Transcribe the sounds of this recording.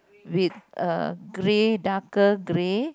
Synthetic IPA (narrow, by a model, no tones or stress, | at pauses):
wit̪̚ɡɾeɖakəɡɾe